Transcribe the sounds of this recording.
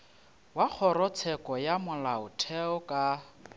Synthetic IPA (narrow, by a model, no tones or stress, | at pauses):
wak͡xʰɔɾɔt͡sʰɛkʼɔjamʊlaʊtʰɛɔkʼa